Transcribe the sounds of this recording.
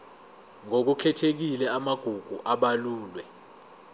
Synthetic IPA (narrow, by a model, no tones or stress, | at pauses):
ŋok̬ukʰɛtʰek̬ilɛamaɡ̥ʱuɡ̥ʱuʔaɓaluːlwɛ